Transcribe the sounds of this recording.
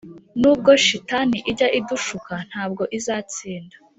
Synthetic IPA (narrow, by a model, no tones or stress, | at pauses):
nuːb̚ɡo̞ʃitaniʔiɟaʔiduʃukan̥haːb̚ɡo̞ʔizaːt͡siːnda